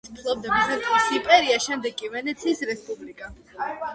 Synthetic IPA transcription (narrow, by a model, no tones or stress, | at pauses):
st̪ʰlˠɔb̚d̪amisat̪ʼuisimpʼɛɾiaʃɛmd̪ɛɡʼivɛnɛt̪sʰiːsɾɛspʼublikʼa